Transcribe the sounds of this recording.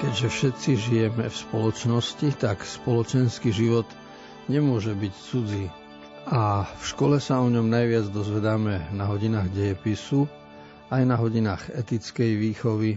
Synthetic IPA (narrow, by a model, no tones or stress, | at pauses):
kɛɟʒɛfʃɛt̪t͡siʒijɛmɛfspɔlɔt͡ʃnɔscit̪akspɔlɔt͡ʃɛnskiʒiʋɔt̪ | ɲɛmʊɔʒɛbict͡sud͡ziː | afʃkɔlɛsaɔɲɔmnajʋɪad͡zd̪ɔzʋɛd̪amɛnaɦɔɟinaːɣɟɛjɛpisu | ajnaɦɔɟinaːɣɛt̪it͡skɛjʋiːxɔʋi